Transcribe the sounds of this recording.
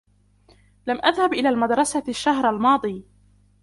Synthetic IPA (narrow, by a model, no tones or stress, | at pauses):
lamʔaðhabʔɪlaːlmad̪ɾˤɑsaʃːaɦɾalmɑːd̪ˤiː